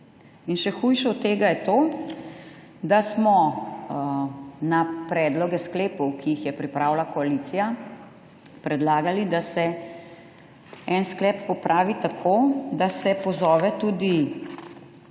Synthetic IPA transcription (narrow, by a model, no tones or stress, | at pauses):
inʃɛxujʃɛɔt̪t̪ːeːɡajɛt̪oː | d̪asmɔ | napɾɛːd̪lɔɡɛskleːpɔwkiixjɛpɾipɾaːwlakɔalit̪sija | pɾɛd̪laːɡalid̪asɛ | ɛnsklɛpːɔpɾʔaːʋit̪akʰoːd̪asɛpɔzɔːʋɛt̪uːd̪i